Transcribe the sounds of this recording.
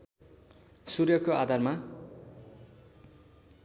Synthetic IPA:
surjʌkoad̪ʱarma

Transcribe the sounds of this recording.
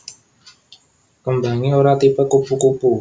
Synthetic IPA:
kəmba̤ŋioɾat̪ipəkupukupu

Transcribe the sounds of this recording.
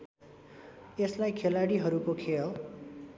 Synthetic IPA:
eslajkʰelaɽiɦʌɾukokʰel

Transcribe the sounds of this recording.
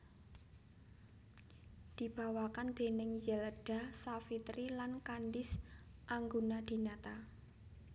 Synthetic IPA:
d̪̥i̤b̥a̤wakand̪̥e̤nɪŋjələɖ̥a̤safit̪ɾilankanɖɪsʔaŋɡunad̪̥i̤nat̪a

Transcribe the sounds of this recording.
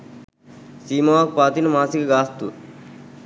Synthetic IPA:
siːmɐʋaːk̚paːt̪inɐmaːsikɐɡaːst̪ṵ

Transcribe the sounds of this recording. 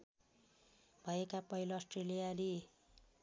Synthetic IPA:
bʱʌekapʌɦiloːsʈrelijaɾi

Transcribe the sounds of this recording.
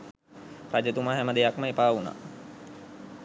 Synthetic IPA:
pɾad͡ʒət̪umaɦɛməd̪ejakməepaːuna̰

